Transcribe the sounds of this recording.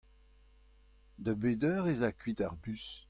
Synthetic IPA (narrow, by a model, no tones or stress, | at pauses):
d̪əbeːdœːʁezakɥitaʁbys